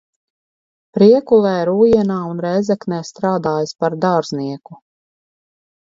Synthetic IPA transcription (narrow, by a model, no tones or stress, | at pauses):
pɾiɛkulˠɛːɾuːjiɛnaːunɾɛjzɛknɛːst̪ɾaːd̪aːjaspaɾd̪aɾz̥niɛku